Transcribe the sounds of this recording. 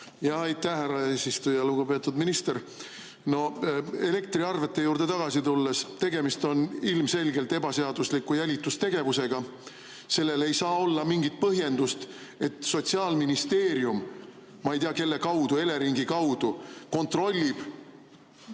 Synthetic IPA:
jɑɑjt̪ːæhhæɾɑeːsist̪ujɑluɡ̥ube̞ːt̪ːˑud̪minist̪e̞ɾ | no̞e̞le̞k̚t̪ɾiɑrve̞t̪ˑːe̞juːɾd̪̥e̞t̪ɑɡ̥ɑsit̪ulːe̞st̪e̞ɡe̞mist̪o̞nilmse̞lʲɡe̞lt̪e̞bɑse̞ɑd̪̥uslikːˑujælʲit̪ːˑust̪e̞ɡ̥e̞vuse̞ɡ̥ɑ | se̞lːe̞le̞jsɑːo̞lːɑmiŋɡit̪̚pɤɦje̞nd̪ust̪ | e̞t̪ˑso̞t̪siɑːlminist̪e̞ːɾiumː | ɑejt̪ijɑke̞lːe̞kɑwd̪̥ue̞le̞ɾiŋɡikɑwd̪̥uko̞nt̪ro̞lʲːib̥

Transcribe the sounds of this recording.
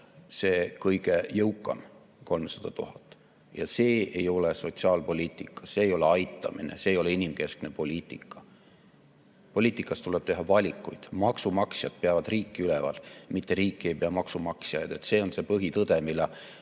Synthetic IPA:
se̞ːkɤjɡe̞jɤwkːˑɑ̰m | ko̞lmsɑ̥d̪̥ɑt̪uɦɑt̪ːˑ | jɑ̰se̞ːejo̞leso̞t̪siɑːlpo̞liːt̪ːˑikˑːɑ̥seːjo̞leɑjt̪ˑːɑ̰minḛse̞ːjo̞le̞inimke̞skne̞po̞lʲiːt̪ːˑikʰːˑɑ̥ | po̞lʲiːt̪ːˑikːˑɑst̪uleb̥t̪e̞ɦɑvɑlʲikːujd̪̥mɑksumɑksjɑd̪̥̚peɑvɑd̪̥riːkːiylɛvɑ̰lmit̪ːe̞ɾiːkːˑie̞jpeɑmɑksumɑksjɑjd̪̥e̞t̪se̞ːo̞nse̞pɤɦit̪ɤd̪e̞milːɑ

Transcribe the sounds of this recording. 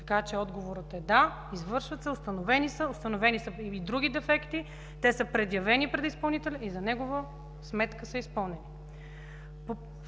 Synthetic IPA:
t̪ɐ̥kat͡ʃɛɔd̪ɡovoɾət̪ɛd̪a | izvɤɾʃvɐt̪sɛʊst̪ɐnovɛnisəʊst̪ɐnovɛnisəid̪ɾuɡ̟id̪ɛfɛkt̪i | t̪ɛsəpɾɛd̪jɐvɛnipɾɛd̪ispɐlˠnit̪ɛlʲɐizɐnɛɡovə | smɛt̪kəsɐispɤlˠnɛni | po

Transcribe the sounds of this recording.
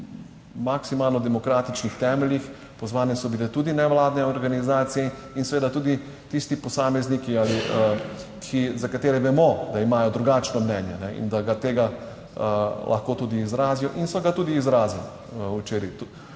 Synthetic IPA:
maksimaːlnɔd̪ɛmɔkɾaːt̪it͡ʃnixt̪ɛmɛljix | pɔzʋaːnɛsɔbilɛt̪uːd̪inɛʋlaːd̪nɛɔɾɡanizaːt̪sijɛ | insɛʋeːd̪at̪uːd̪i | t̪ist̪ipɔsaːmɛznikiali | kʰizakat̪eːɾɛʋɛmɔd̪aimaːjɔd̪ɾuɡaːt͡ʃnɔmnɛːnja̰nɛḭnd̪aɡat̪eːɡa | lʔa̰xkoːt̪uːd̪iːzɾaːzijɔʔinsɔɡat̪uːd̪iːzɾaːzil | ut͡ʃeːɾit̪u

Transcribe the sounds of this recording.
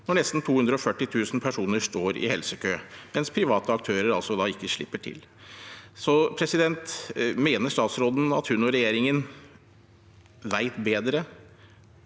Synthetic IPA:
nɔɳɛst̪n̩t̪ʰuːʉnd̪ɾəɔfœʈːɪt̪ʰʉːsn̩pʰæʂuːnəʂt̪oːɾɪ̰hɛlsəkʰøːmɛnspʰɾɪʋɑːt̪əɑk̚t̪ʰøːɾəɾɑlsɔd̪ɑːɪkːəʂɭɪpːəʈʰɪ̰l | sɔpʰɾɛsɪd̪ɛnt̪meːnəʂt̪ɑːt̪sɾoːd̪n̩ɑt̪hʉnɔɾɛjeːɾɪŋən | ʋæɪt̪beːd̪ɾə

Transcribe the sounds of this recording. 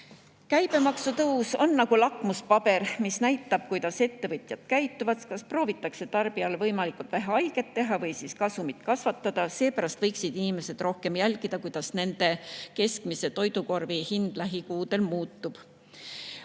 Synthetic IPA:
kæjb̥e̞mɑksut̪ɤwso̞nːɑɡ̥ulɑkˑmuspɑb̥e̞ɾmisnæjt̪ːˑɑb̥̚kujd̪̥ɑse̞t̪ːe̞vɤt̪ʲˑjɑt̪kæjt̪ːˑuvɑt̪skɑspro̞ːvit̪ːˑɑkse̞t̪ɑrb̥iɑlvɤjmɑlikˑult̪væɦeɑjɡ̥e̞t̪ːe̞ɦɑvɤjsiskɑsumit̪kɑsvɑt̪ːɑd̪̥ɑse̞ːpæɾɑst̪vɤjksid̪inime̞se̞d̪̥ro̞hke̞mjælʲɡ̥id̪̥ɑkujd̪̥ɑsne̞nd̪̥e̞ke̞skmise̞t̪o̞jd̪̥uko̞rvihind̪̥læɦikuːd̪e̞lmuːt̪ːub̥

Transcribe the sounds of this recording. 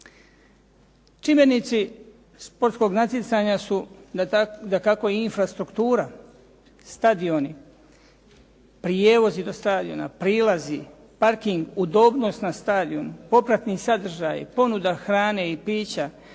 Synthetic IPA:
t͡ʃimjenit̪si | spo̞ɾt̪sko̞ɡnat̪jit̪saɲasu | d̪akako̞jinfɾast̪ɾukt̪uːɾa | st̪ad̪io̞ni | pɾijeːʋo̞zid̪o̞st̪aːd̪io̞̰na̰pɾiːlazi | paɾkiŋɡud̪o̞ːbno̞st̪nast̪aːd̪iumpo̞pɾat̪nisad̪r̩ʒaːjpo̞nud̪axɾaːne̞ipiːt͡ɕa

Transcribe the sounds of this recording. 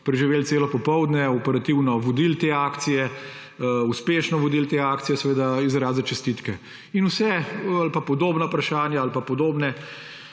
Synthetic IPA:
pɾɛʒiʋeːlseːlɔpɔpɔwd̪nɛɔpɛɾat̪iwnɔʋɔd̪ilt̪eaːkt̪sijɛ | uspeːʃnɔʋɔd̪ilt̪eaːkt̪sijɛsɛʋeːd̪aizɾaːzɛt͡ʃɛst̪it̪kɛ | inusɛalpapɔd̪oːbnapɾaʃaːnjaalpapɔd̪oːbnɛ

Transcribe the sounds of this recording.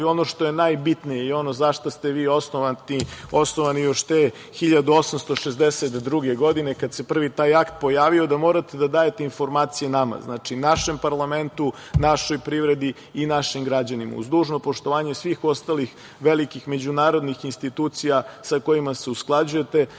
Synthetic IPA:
io̞no̞ʃt̪o̞je̞najbit̪nijeio̞no̞zaʃt̪ost̪e̞ʋiːosnoaiosnoʋanijoʃt̪e | xiʎad̪uo̞samst̪o̞ʃezd̪eset̪d̪ɾuɡeɡo̞d̪ine̞kad̪se̞pr̩ʋit̪aːjakt̪̚po̞jaːʋiod̪amo̞ɾat̪ed̪ad̪aːje̞t̪einfo̞ɾmaːt̪sijenama̰znaːt͡ʂinaʃe̞mpaɾlˠame̞nt̪u | naʃo̞jpɾiʋɾe̞d̪i | inaʃimɡɾad͡ʑanima̰ṵzd̪uːʒno̞po̞ʃt̪o̞ʋaːɲe̞sʋiːxo̞st̪alix | ʋelikixme̞d͡ʑunaːɾo̞d̪nixinst̪it̪uːt̪sijasako̞imase̞usklˠad͡ʑuje̞t̪e̞

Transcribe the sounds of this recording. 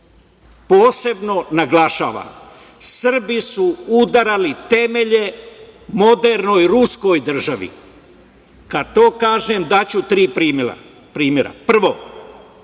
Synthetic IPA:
po̞ːse̞bno̞naɡlaʃa̰ːʋa̰m | sr̩bisuud̪aɾalit̪e̞me̞ʎe̞mo̞d̪e̞ɾno̞jɾusko̞jd̪r̩ʒaʋḭ | kat̪o̞ːkaːʒemd̪at͡ɕut̪ɾiːpɾiːma̰ | pɾiːmjeɾa̰pr̩ʋo̞

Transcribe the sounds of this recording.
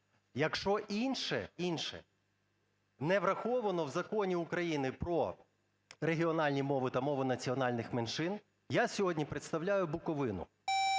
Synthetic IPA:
jɐkʃt͡ʃɔʔinʃɛ̰inʃɛ̰ | nɛʋɾɐxɔʋɐnɔwzɐkɔnʲiukɾɐjinɪpɾɔ | ɾeɦʲiɔnɑlʲnʲimɔʋɪt̪ɐmɔʋʊnɐt͡sʲiɔnɑlʲnɪxmenʃɪn | jasʲɔɦɔdʲnʲipɾet̪st̪ɐwlʲajʊbʊkɔʋɪnʊ̰

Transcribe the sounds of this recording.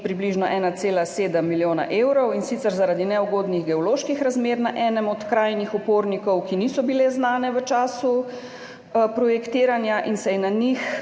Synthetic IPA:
pɾibliːʒnɔʔɛːnat̪seːlaseːd̪əmːiljoːna̰ʔeːwɾɔwinsit̪sɛɾzaɾaːd̪inɛɔɡoːd̪niɣɡɛɔloːʃkixɾazmeːɾnaʔɛːnɛmɔt̪kɾaːjnixɔpoːɾnikɔwkinisɔbilɛznaːnɛʋət͡ʃaːsu | pɾɔjɛkt̪iːɾanjaʔinsɛjnanix

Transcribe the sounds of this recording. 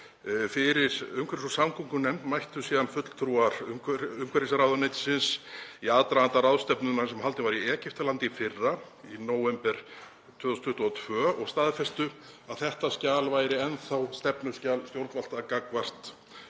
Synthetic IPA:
fɪɾɪɾ̥ʏmkʰvɛɾsɔsamkʰuŋkʏnɛmt̪majht̪ʏsiːðanfʏt̪l̥t̪ʰɾuaɾ̥ʏmkʰʏmkʰɛɾɪsaɾawðanejt̪sɪnsiaːt̪ɾaant̪aɾaðst̪ɛpnʏnasɛmhalt̪ɪvaɾiɛːcɪft̪alant̪ɪfɪrːa | inoːwvɛmpɛɾ̥ | t̪ʰvʏːθusnt̪ʰʏht̪ɔt̪ʰvœːɔɣst̪aːðfɛst̪ʏaðθɛht̪ascaːlvaːjɾɪɛnθawst̪ɛpnʏscaːlst̪jowɾt̪val̥t̪akakvar̥t̪

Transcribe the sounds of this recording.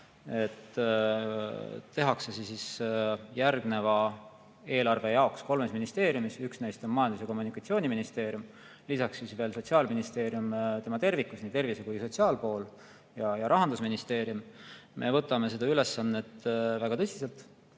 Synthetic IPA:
e̞t̪ː | t̪ːe̞ɦɑkse̞sesisjærɡne̞vɑ | e̞ːlɑrve̞jɑo̞ksko̞lme̞sminist̪e̞ːɾjumisyksne̞jst̪o̞nmɑjɑnd̪useko̞mːunikːˑɑt̪sioːnʲiminist̪e̞ːɾjum | lisɑksːisve̞ːlso̞t̪siɑːlminist̪e̞ːɾjumt̪e̞mɑt̪e̞rvikːusniːt̪e̞rvisekujso̞tsiɑːlpo̞ːl | jɑjɑɾʔɑɦɑnd̪usminist̪e̞ːɾjummʔe̞̰vɤ̞t̪ːˑɑme̞se̞d̪̥ɑyle̞sːɑnːe̞t̪ːvæɡ̥ɑt̪ɤsʲise̞lt̪ˑ

